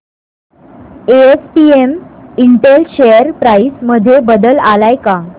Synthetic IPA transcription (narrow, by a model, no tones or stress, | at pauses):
eespiemiɳʈelɕejəɾpɾaisməd̪ʱːjebəd̪əlalajka